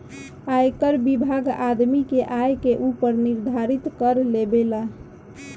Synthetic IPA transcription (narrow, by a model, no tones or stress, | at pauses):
ajkəɾbibʱaɡad̪mikeʔajkeʔupəɾniɾd̪ʱaɾit̪kəɾlebela